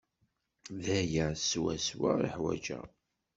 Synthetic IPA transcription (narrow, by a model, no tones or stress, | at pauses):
ðæjəswæswə̰əħwæ̰d͡ʒə̰